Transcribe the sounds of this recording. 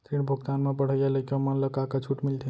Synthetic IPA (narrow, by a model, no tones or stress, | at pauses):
t̪iɽbʱuɡt̪anmebəɽ̤əjjaləkmənləkakat͡ʃʰuʈmilt̪ʰi